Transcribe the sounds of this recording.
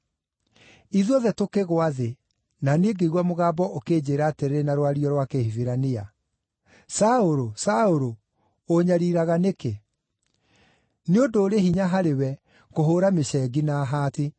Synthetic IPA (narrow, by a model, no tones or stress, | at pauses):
iðɔðɛtokeɣoaðe | naneːɡeiɣwamoɣaːbɔʔokeːd͡ʑeːɾaːteɾɾenaɾwaɾiɔɾwakehiviɾania | saoɾosaoɾoː | ɲaɾiːɾaɣaneke | neodoːɾehiɲaɦaɾewɛ | koɦoːɾameʃɛɡinaɦati